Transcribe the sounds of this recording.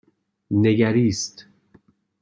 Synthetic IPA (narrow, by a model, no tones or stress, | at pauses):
ne̞ɡæɾiːst̪